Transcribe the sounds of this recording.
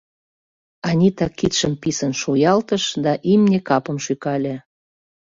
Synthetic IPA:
ɑnʲit̪ɑkːit̪ʃəmpisənʃujɑlt̪əʃd̪ɑʔimnʲekɑpə̆mʃykɑlʲe

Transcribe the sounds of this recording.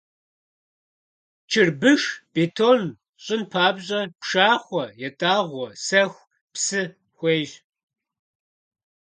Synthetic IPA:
t͡ʃʰɪrbɨʂb̥eːtʰoːn | ɕʼɪnpʰaːbʑʼɐpʂaːχʷɔjɛtʼaːʁʷɔsɐxʷ | psɨ | xʷeːʒ

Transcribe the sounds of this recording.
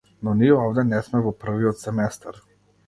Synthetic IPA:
nɔniɛɔvd̪ɛnɛsmɛvɔpr̩viɔt̪sɛmɛst̪aɾ

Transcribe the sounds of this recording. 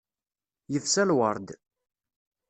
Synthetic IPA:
jəfsælwəɾˤd̪

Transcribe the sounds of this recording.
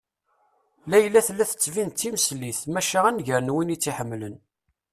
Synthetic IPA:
læjəlːæθlːæθə̥t͡sːvint͡s̪ːiməsliθmæʃaʁænʝəɾnwinit͡sːiħəmːlən

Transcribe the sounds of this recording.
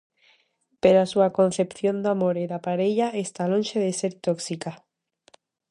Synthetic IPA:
peɾasuakõ̞nθepθjond̪amoɾeðapaɾeʎaest̪alõnʲʃeðeseɾt̪oksika

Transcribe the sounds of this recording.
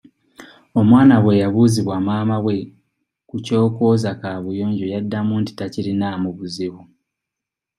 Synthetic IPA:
o̞mwaːnaɣwe̞jaβuziβwamaːmaɣwe̞ | kuco̞ːko̞ːzakaβujoːɲɟojadːamunti̥tacilinamuβuziβu

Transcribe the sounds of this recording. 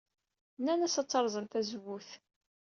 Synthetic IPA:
nːænæsɑt͡sːɑɾˤzˤənt̪æzwuθ

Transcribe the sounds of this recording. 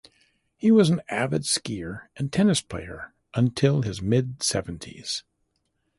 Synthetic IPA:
hiwʌzn̩ævɨdskiɹʔɨ̃ntʰɛnɨspʰl̥ḛɪə̰˞ | ʔə̃ntʰɪlˠɪzmɪdsɛṽn̩tʰḭz̥

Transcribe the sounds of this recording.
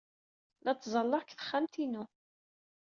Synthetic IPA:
læt͡sːzˤɑlːɑkθə̥χːamt̪inu

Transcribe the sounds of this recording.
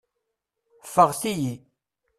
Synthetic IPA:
faχsiji

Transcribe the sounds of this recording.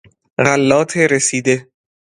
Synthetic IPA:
ɣalːɒːt̪ʰeɾesiːd̪e

